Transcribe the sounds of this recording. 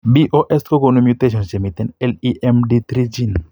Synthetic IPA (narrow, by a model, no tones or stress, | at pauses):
biʔoʔɛskokonumjut̪eʃ̬ɔ̃nsd͡ʒemit̪ɛ̃nɛliʔɛmɖit̪ɾid͡ʒin